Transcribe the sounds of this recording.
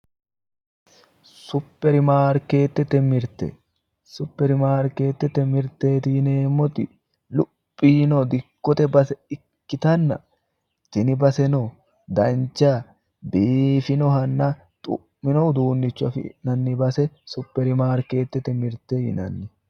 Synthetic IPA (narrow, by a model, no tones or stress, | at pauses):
sʊpːɛɾɪmaːɾke̞ːt̪ːɛt̪ɛmɪɾt̪ɛ̰ | sʊpːɛɾɪmaːɾke̞ːt̪ːɛt̪ɛmɪɾt̪eːt̪iːneːmːɔt̪ɪ | lʊ | pʼːiːnɔd̪ɪkːɔt̪ɛbɐsɛɪ | kːɪt̪ɐnːɐ̰ | t̪ɪnɪbɐsɛnɔ | d̪ɐnt͡ʃa | biːfɪnɔhɐnːɐ | t̪ʼʊ̰ | mɪnɔʊd̪uːnːɪt͡ʃːʊɐfɪ̰nɐnːɪbɐsɛsʊpːɛɾɪmaːɾke̞ːt̪ːɛt̪ɛmɪɾt̪eːɪ̰nɐ̰nːɪ